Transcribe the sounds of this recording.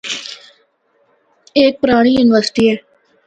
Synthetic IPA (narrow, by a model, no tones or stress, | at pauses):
eːk̚pɾaːɽ̃ijuːnɪʋəɾsɪ̥ʈieː